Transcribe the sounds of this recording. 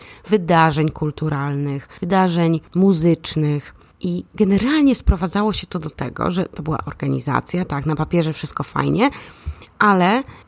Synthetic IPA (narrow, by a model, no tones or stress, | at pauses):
vɘd̪aʐɛɲkult̪uɾʔalnɘxvɘd̪aʐɛɲmuzɘt͡ʂnɘx | ʔiɡɛnɛɾalɲɛspɾɔvad̪zawɔɕɛt̪ɔd̪ɔt̪ɛ̰ɡɔ̰ʐɛt̪ɔbɘwa̰ʔɔɾɡaɲḭza̰t̪sʲjat̪aknapapʲjɛʐɛfʂɘ̥ɨst̪̚kɔfa̰jɲɛʔalɛ